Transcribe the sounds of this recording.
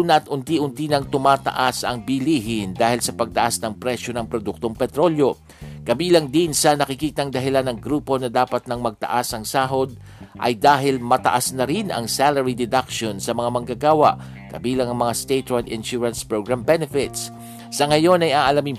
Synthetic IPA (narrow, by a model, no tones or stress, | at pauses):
nɐʔt̪ʔʊnt̪iʔʊnt̪inɐŋt̪ʊmaːt̪ɐ̰ʔasɐŋbiliːɦɪnd̪aːhɪlsɐpɐɡ̚t̪ɐʔasnɐŋpɾɛʃo̞nɐŋpɾod̪uk̚t̪o̞ŋpɛt̪ɾo̞ljo̞ | kɐbiːlɐŋd̪insɐnɐkɪkiːt̪ɐŋd̪ɐɦɪlanɐŋɡɾuːpo̞nɐd̪aːpɐt̪̚nɐŋmɐɡ̚t̪ɐ̰ʔasɐŋsaːɦo̞d̪̚ | ʔɐ̰jd̪aːɦɪlmɐt̪ɐ̰ʔasnɐɾinʔɐ̰ŋsalɐɹid̪ɛd̪akʃonsɐmɐŋamɐŋɡaɡaːwɐ̰ʔ | kɐ̰biːlɐŋɐŋmɐŋast̪et̪oɹd̪ɪnʃuɹɐnspɹoɡɹambɛnɛfɪt̪s | sɐŋɐjo̞nɐjʔaːʔɐlɐmiŋ